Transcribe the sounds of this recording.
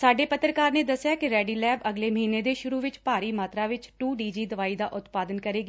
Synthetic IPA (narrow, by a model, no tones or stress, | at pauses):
saːɖeːpət̪ɾəkaːɾneːd̪əsjaːkɪɾɛːɖiːlɛːbəɡleːməɦĩːneːd̪eːʃʊɾuːʋɪt͡ʃpaːɾiːmaːt̪ɾaːʋɪt͡ʃʈuːɖiːd͡ʒiːd̪əʋaːiːd̪aːʔʊt̪paːd̪ənkəɾeːɡiː